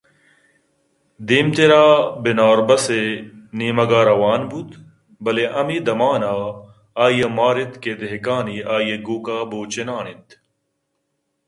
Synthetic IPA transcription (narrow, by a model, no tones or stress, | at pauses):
d̪iːmt̪eɾaːbinaːɾbɐseniːmɐɡaːɾɐwaːnbut̪ | bɐleʔɐmid̪ɐmaːnaː | aːjɐmaːɾit̪ked̪eɦkaːniːaːjeɡuːkaːboːt͡ɕenaːnit̪